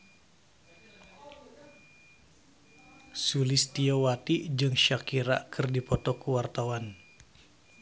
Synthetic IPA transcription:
sulɪst̪iowat̪id͡ʒɨŋʃakiɾa̰kʰɨrdipɔt̪ɔkəwart̪awan

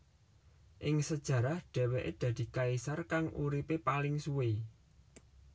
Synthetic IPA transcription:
ʔɪŋsəd̥ʒ̥ä̤ɾahɖ̪̥ɛ̤weʔed̪̥ä̤d̪̥i̤kaisarkaŋʔuɾipepalɪŋsuwe

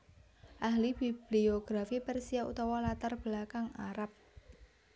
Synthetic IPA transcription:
ʔahlib̥ib̥lioɡ̥ɾafipɛrsiaṵt̪ɔwɔlat̪arb̥lakaŋaɾap̚

